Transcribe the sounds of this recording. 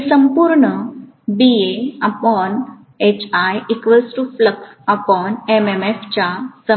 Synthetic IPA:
səmpuɾɳə | bieapən | et͡ɕʰajikʋəlsʈufləkʰapənememeft͡ɕasə

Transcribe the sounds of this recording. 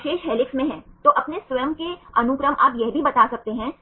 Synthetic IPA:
ʃeːʃɦɛːlɪksmẽɦɛ̃ːt̪oʔɐpnesʋɐjəmkeɐnʊkɾəmʔa̰ːpjɛɦbʱibɐt̪aːsɐk̚t̪eɦɛ̃ː

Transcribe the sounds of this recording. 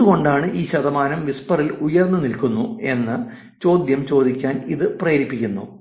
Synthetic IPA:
uɣo̞ɳɖaːɳɨʔiːɕɐðɐmaːnɐmʋispɐrilujɐrnːɨnilkunːue̞nːɨ | t͡ɕo̞ːd̪jɐmt͡ɕo̞ːd̪ikʲːaːniðɨprɐjɐɾipːikʲːunːṵ

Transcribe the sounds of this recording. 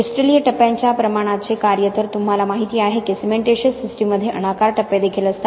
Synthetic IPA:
ɔsʈɾelijəʈəpjaɲt͡ɕjapɾəmaɽ̃at͡sekaɾjət̪ʰəɾt̪umɦalamaɦit̪iːaɦekesimeʈeɕəsisʈimːəd̪ʱːjeʔə̰nakaɾʈəpːed̪ekʰiːləst̪a

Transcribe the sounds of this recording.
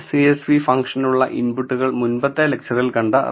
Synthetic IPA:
siesʋifɐŋkʂɐnuɭːɐʔinbuʈːuɣɐɭmunbɐt̪ːɐlek̚t͡ɕʰɐrilkɐɳɖɐ

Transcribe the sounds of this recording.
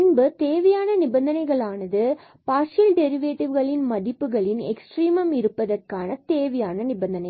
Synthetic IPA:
nbɯt̪eːʋɐjaːnɐnɪbɐnd̪ɐnɐɪɣɐɭaːnɐðɯ | paːsɪlɖɛɾɪʋeːʈɪʋɣɐɭɪnmɐðɪpːɯɣɐɭɪnɛ̰ksʈriːmɐmɪɾɯpːɐðɐrkaːnɐt̪eːʋɐjaːnɐnɪbɐnd̪ɐnɐɪ

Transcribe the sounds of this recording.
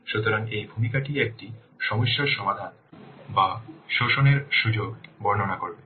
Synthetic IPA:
ʃut̪oɾaŋejbʱumikaʈiek̚ʈi | ʃɔmoʃːoʃɔmad̪ʱan | baʃoʃoneɾʃud͡ʑoɡbɔɾnonakoɾbe

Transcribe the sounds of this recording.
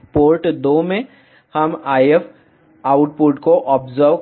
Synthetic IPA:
poːɾʈd̪oːmẽ | hɐmaːjef | aːʊʈ̚puʈkoʔɔːpzəɾʋ

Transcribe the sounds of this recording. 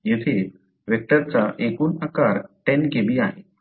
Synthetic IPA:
jet̪ʰe | ʋek̚ʈəɾt͡saʔekuːnakaɾʈɛnɡebiːaɦe

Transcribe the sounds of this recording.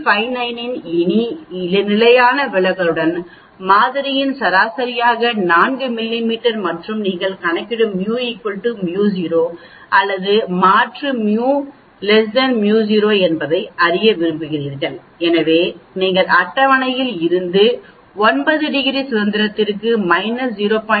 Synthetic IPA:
fɐɪnɐɪnɪnɪniɪlɐnɪlɐjaːnɐʋɪɭɐɣɐɭɯɽɐn | maːðɪɾɪjɪnsɐɾaːsɐɾɪjaːɣɐnaːnɡɯmɪlːimiːʈːɐɾmɐʈrɯmniːŋɡɐɭkɐɳɐkːɪɽɯmmːjuːɐɪkːɔʈːɯmjuːs̬iːɾoː | ʔɐlːɐðɯmaːʈrɯmjuː | lɛs̬dɐnmjuːziːɾoːɛnbɐðɐɪɐɾɪjɐʋɪɾɯmbɯɣɪɾiːɾɣɐn | ɛnɐʋeːniːŋɡɐɭɐʈːɐʋɐnɐjɪlɪɾɯnd̪ɯ | ɔnbɐðɯɖɪɣɪɾisʊðɐnd̪ɪɾɐt̪ːɪrkːɯmɐɪnɐsd͡ʒiːɾoːpɐ

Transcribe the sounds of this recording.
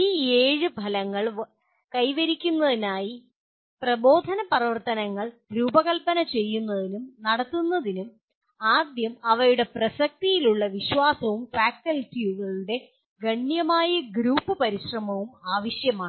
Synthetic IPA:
iːeːɻɨbʱɐlɐŋːɐɭ | kɐjʋɐɾikʲːunːɐðinaːji | prɐbo̞ːd̪ʱɐnɐpɐrɐʋɐrt̪ɐnɐŋːɐɭɾuːbɐɣɐlpːɐnɐt͡ɕe̞jːunːɐðinumnɐɽɐt̪ːunːɐðinum | aːd̪jɐmɐʋɐjuɽe̞prɐsɐk̚t̪ijiluɭːɐʋiɕʋaːsɐʋumfaːkɐltijuɣɐɭuɽe̞ | ɡɐɳjɐmaːjɐɡɾuːpːɨpɐɾiɕrɐmɐʋumaːʋɐɕjɐmaːɳɨ

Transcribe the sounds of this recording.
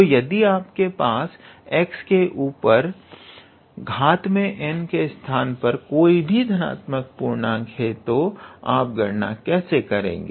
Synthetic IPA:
t̪ojɐd̪iaːpkepaːs | ɛːkskeʔuːpəɾ | ɡʱaːt̪mẽʔɛnkest̪ʰaːnpɐɾkoːibʱid̪ʱɐna̰ːt̪mək̚puːɾnaɡʱeːt̪oa̰ːp̚ɡɐɾna̰kɛːsekɐɾḛ̃ːŋɡeː

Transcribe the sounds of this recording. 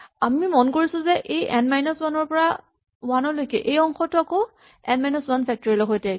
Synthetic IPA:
amimɔnkoɹisʊ̃zɛʔejɛnmajnɔswanɔɹpɔɹa | wanɔlojkɛʔejɔŋxɔtʊako | ɛnmajnɔswanpʰɛk̚tɔɹilɔkʰojtɛ

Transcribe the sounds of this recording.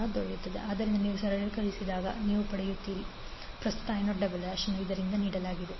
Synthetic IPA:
d̪oɭejut̪ːɐd̪ḛʔaːd̪ɐɾind̪ɐniːʋusɐɾɐjɐlkɐɭisid̪aːɡɐ̰niːʋupɐɽejut̪ːiːɾi | pɾɐst̪u̥t̪ɐaːjnoɖɐbɐlaːʂɐnːuid̪ɐɾind̪ɐniːɽɐlaːɡid̪e

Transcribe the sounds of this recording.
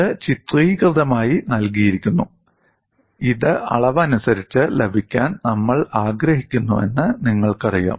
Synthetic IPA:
ɨt͡ɕit̪riːkrɨðɐmaːjinɐlkijiɾikʲːunːu | iðɨʔɐ̰ɭɐʋɐnusɐɾit͡ɕːɨlebʱikʲːaːnnɐmːɐɭaːɡɾɐɦikʲːunːuʋe̞nːɨniŋːɐɭkɐrija̰ːm

